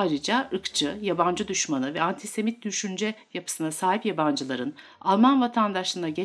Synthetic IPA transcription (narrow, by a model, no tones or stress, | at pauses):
aːɾɯd͡ʒaɯkt͡ʃʰɯjaband͡ʒɯd̪yʃmanɯvɛant̪ʰise̞mit̪̚d̪yʃynd͡ʒɛjapʰɯ̥sɯnasaːɦipjaband͡ʒɯlˠaɾɯn | alˠmanvat̪ʰand̪aʃˠɯnaɟe